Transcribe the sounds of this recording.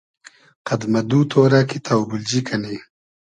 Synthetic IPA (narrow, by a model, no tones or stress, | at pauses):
qɐd̪mɐd̪uːt̪ʰoːɾakit̪ʰawbʊld͡ʒikʰɐne